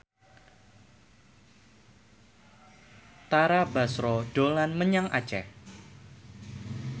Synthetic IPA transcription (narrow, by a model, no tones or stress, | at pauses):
t̪aɾabasɾɔɖ̥olanməɲaŋʔa̰t͡ʃɛh